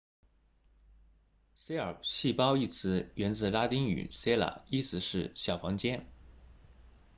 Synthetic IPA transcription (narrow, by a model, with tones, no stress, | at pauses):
se˥ɪə˞˨˩ɕi˥˩pɑ˥ʊi˥˩t͡sʰɹ̩˧˥ɥɛ˧˥nt͡sɹ̩˥˩la˥t̪i˥ŋy̰˨˩se˥ɪla̰˨˩˦i˥sɹ̩˧˥ʂɻ̩˥˧ɕjɑ˨˩ʊfɑ˧˥ŋt͡ɕjɛ˥n